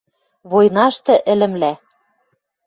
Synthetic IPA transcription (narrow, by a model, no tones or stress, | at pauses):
βojnɑʃt̪ɤ̆ʔɘ̆lɘ̆mlæ